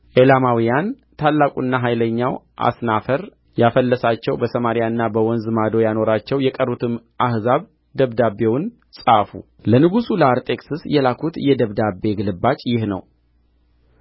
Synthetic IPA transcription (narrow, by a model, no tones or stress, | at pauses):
ʔelamawijan | t̪ʰalːakʼṵnːaɦajləɲːawʔa̰snafəɾ | jafəlːəsat͡ʃːɛwbəsəmaɾijaɨnːabəwɔnzɨmad̪o̞jano̞ɾat͡ʃːɛwjɛkʼərːut̪ʰɨm | ʔahzaβ | d̪əβd̪abe̞wʊn | sʼaʔfṵ | lənɨɡusuləaɾt̪ʼe̞ksɨsjɛlakʰut̪jɛd̪əβd̪abːe̞ɡɨlɨbːat͡ʃʼjɪhnə̰w